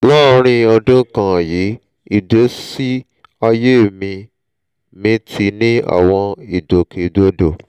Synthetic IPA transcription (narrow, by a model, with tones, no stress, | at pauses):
lɔ˦o˧ɾ̃ĩ˧ɔ˧dõ˦kã˨ji˨˦ | i˦˨de˨˦si˦ | a˧je˦˨mĩ˧ | mĩ˦ti˧nĩ˦a̰˨w̃ɔ̃˧i˨do˨ke˨do˦do˨